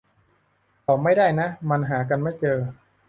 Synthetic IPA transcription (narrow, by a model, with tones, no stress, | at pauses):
t̪ɔː˨˩ma˥˩jdaː˥˩jna˦˥ma˧nɦaː˩˦k̬a˧nma˥˩jt͡ɕɤː˧